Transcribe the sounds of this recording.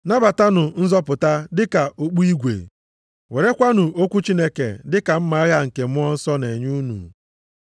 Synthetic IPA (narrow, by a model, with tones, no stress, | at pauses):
na˦ba˨ta˦nʊ˨n̩˦zɔ˦pʊ˨ta˦dɪ˦ka˨ʔo˨k͡pu˦i˦ɡʷḛ˨ | we˨ɾe˦kʷa˦nʊ˨o˦kʷu˦t͡ʃi˦ne˦kḛ˨dɪ˦ka˨m̩˦ma˨˦ɣa˦ŋ̩˨ke˨mʊ˦ɔ˦n̩˦sɔ˦ne˨ɲu˦nṵ˨